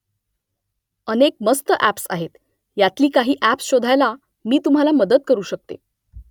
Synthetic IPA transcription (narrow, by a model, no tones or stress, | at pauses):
ənek̚məst̪əʔæpsa̰ɦet̪ | jat̪liːkaɦiːʔæpsɕod̪ʱajla | miːt̪um̤alaməd̪ət̪̚kəɾuːɕək̚t̪ḛ